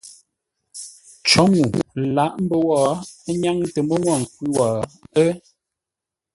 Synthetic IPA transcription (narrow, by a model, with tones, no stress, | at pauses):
t͡ʃɔ˨˦ŋu˨la˨˦ʔm̩˦bə˦wɔː˦˨˦ɲa˦ŋ˦tə˨mə˦ŋwɔ˦˨ŋ̩˨kwʉ˦wɔ˨ə˦